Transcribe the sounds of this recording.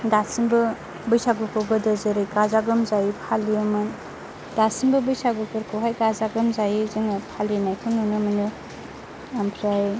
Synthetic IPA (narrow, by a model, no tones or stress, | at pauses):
dasinbɯ | bɯjsaɡukɯɡɯdɯzɯɾɯjɡazaɡɯmzajipʰaliɯmɯn | d̥asinbɯbɯjsaɡukɯɾkʰɯwɦajɡazaɡɯmzajiziŋɯpʰalinajkʰɯmnunɯmɯnɯ | ampʰɾaj